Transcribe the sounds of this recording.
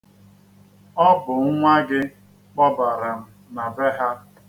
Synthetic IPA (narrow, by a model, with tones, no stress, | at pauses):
ɔ˦bʊ˨ŋ̩˦ŋʷa˦ɡɪ˦ | k͡pɔ˦ba˨ɾa˨m̩˦ | na˨be˦ɦa˦